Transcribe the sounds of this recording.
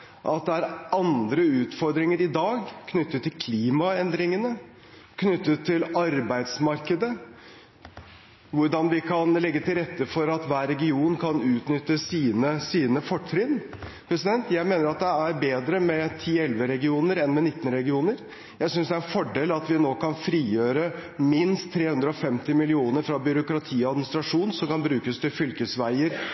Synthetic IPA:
ʔɑt̪̚d̪ɛæɾʔɑnd̪ɾəʉːt̪fɔɾd̪ɾɪŋəɾɪd̪ɑːɡkʰnʏt̪ːət̪ʰːɪlkʰliːmɑɛnd̪ɾɪŋənə | kʰnʏt̪ːət̪ʰːɪlɑɾbæɪd̪smɑɾkəd̪ə | ʋʊɖɑnʋɪkʰɑnlɛɡːət̪ʰɪlɾɛt̪ːəfɔɾɑt̪ʋæːɾɛɡɪuːnkʰɑnʉːt̪nʏt̪ːəsiːnəsiːnəfɔʈʰːɾɪnpʰɾɛsɪd̪ɛnt̪jæɪmeːnəɾɑt̪̚d̪ɛæɾbeːd̪ɾəmɛt̪ʰiːɛlʋəɾɛɡɪuːnəɾɛnmɛnɪt̪ːənɾɛɡɪuːnəɾ | jæɪsʏnsd̪ɛæɾɛnfɔɖeːlɑt̪ʋɪnoːkɑnfɾiːjøːɾəmɪnst̪t̪ʰːɾeːhʉnd̪ɾəɔfɛmt̪ɪmɪlɪuːnəɾfɾɑbʏɾʊkɾɑt̪ʰiːɔɑd̪mɪnɪst̪ɾɑʂuːnsɔmkɑnbɾʉːkəst̪ʰɪlfʏlkəsʋæɪəɾ

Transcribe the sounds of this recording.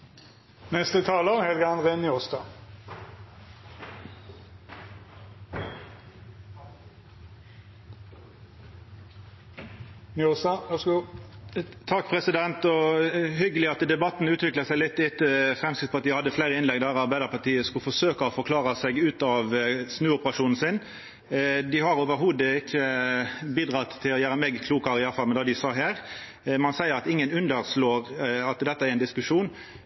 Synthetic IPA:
nɛst̪ət̪ʰɑːləʁhɛlɡəɑnd̪ʁenɪost̪ɑ | nɪosɑs | t̪ʰɑkːpʰʁɛsɪd̪ɛnt̪ɔɦʏɡəlɪɑt̪d̪ɛbɑt̪ːn̩ʉːt̪ʋɪkləʁsæɪlɪt̪ːɪt̪ːəfɾɛmsɪspʰɔɑt̪iɪːəhɑd̪ːəflæɪɾəɪnɛɡd̪æɾɑɾbæɪd̪əɾpɑʈ̪iːəskʉlfɔʂøːkɑɔfɔɾkʰlɑːɾəsɛɡʉːt̪ɑʋsnʉːʊpəɾɑʂuːnn̩sɪn | d̪ɪhɑɾoːʋəɾɦuːd̪əɪçːəbiːd̪ɾɑt̪ʰːɪlɔjæːɾəmeːɡkʰluːkɑɾɪjɑɾfɑlmɛnd̪ɑːd̪ɪsɑːɦæːɾ | mɑnsæɪəɾɑt̪ɪŋːənʉnd̪əɾsloːɾɑt̪d̪ɛt̪ːəæɾɪnd̪ɪskʉʂuːn

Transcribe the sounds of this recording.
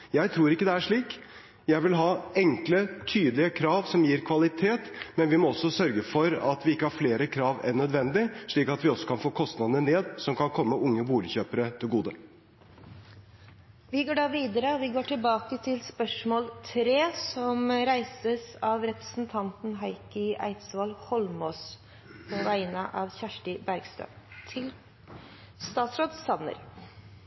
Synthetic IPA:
jæɪt̪ʰɾuːɾɪkːəd̪ɛæʂɭiːk | jæɪʋɪlɦɑːɛŋklət̪ʰyːd̪lɪəkʰɾɑːʋsɔmjiːɾkʰʋɑlɪt̪ʰeːt̪mɛnʋɪmɔɔsɔsœɾɡəfɔɾɑ̰t̪ʋɪɪkːəhɑɾfleːɾəkʰɾɑːʋɛnːœd̪ʋɛnd̪ɪʂɭiːkɑt̪ʋɪɔsːɔ̥kʰɑnfoːkʰɔst̪nɑd̪ənəneːd̪sɔmkʰɑnkʰɔmːəʊŋːəbuːlɪçøːpəɾət̪ʰɪlɡuːd̪ə | ʋɪɡoːɖɑːʋiːd̪əɾəɔʋɪɡoːʈʰɪlbɑːkət̪ʰɪlspœʂmoːlt̪ʰɾeːsɔmɾæɪsəsɑʋɾɛpɾə̥sn̩t̪ʰɑnt̪n̩ɦɑɪkəæ̰ɪt̪sʋɑlhɔlmoːs | pʰɔʋæɪnəʔɑʋçæʂʈəbæɾɡst̪ɾœ̰m | t̪ʰɪl | st̪ɑːt̪sɾoːd̪sɑnnə̰ɾ

